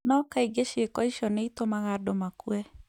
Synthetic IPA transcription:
nɔkaiɡeʃekɔiʃɔneitomaɣadomakuɛ

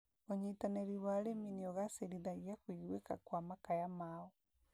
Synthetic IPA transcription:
oɲitanɛɾiwaɾeminiɔɣaseɾiðaɣiakwiɣwekakwamakajamaɔ

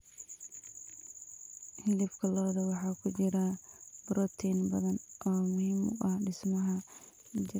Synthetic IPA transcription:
hɪlɪfkʰɐlɔːðɐwɑħɑːkʰʊt͡ʃɪɾɐbɾɔt̪ʰɛnbɐðɐnʔɔːmʊhiːmʊ̰ʔɐhɖɪsmɐɦɐ | t͡ʃɪ

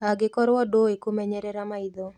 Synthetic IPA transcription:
aɡɪkɔɾwɔdoekomɛɲɛɾɛɾamaid̪o

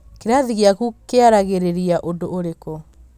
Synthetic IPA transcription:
keɾaðiɣjakukeaɾaɣeɾeɾiaʔondoʔoɾeko

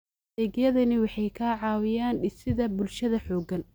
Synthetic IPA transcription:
ɛːɡjɐðɐnɪwɑħɑjkʰaːʕɑːwɪjaːnɖɪsɪðɐbʊlʃɐðɐħɔːɡɐn

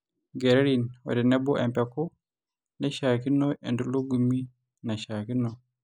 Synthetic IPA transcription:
ɡɛɾɛɾinwɔ̰dɛnɛbɔʔɛ̰mpɛkɔ | nɛʃaːkinːɔɛnduluɡumːi | naʃaːkinːɔ

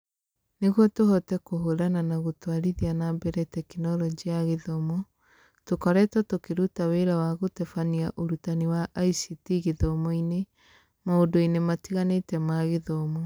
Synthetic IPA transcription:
neɣwɔtohɔtɛkoɦoɾananaɣotwaɾiðianabɛɾɛtɛkinɔɾɔd͡ʒiaɣeðɔmɔ | tokɔɾɛtɔtokeɾutaweɾawaɣotɛfaniaʔoɾutaniwaʔːisitiɣeðɔmɔine | maodoinematiɣanetɛmaɣeðɔmɔ

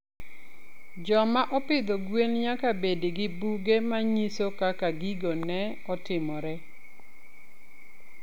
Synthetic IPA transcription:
d͡ʒɔmaʔɔpɪd̪ɔɡwenɲakabediɡɪbuɡemaɲisokakaɡiɡonɛ | ɔtɪmɔɾɛ

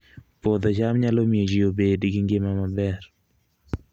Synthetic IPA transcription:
pod̪ɔt͡ʃamɲalomjed͡ʒiobedɡɪŋɡɪmamabɛr

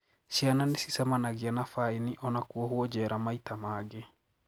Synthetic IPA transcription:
ʃiananesisɛmanaɣianafainiʔɔnakuɔhwɔd͡ʒɛːɾamaitamaɡe

